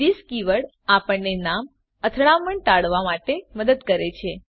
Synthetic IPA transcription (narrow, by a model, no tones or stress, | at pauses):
ɾiskiʋəɽ | apəɳnenam | ət̪ʰɭaməɳʈ̪aɭʋamaʈeməd̪əd̪kəɾet͡ʃʰe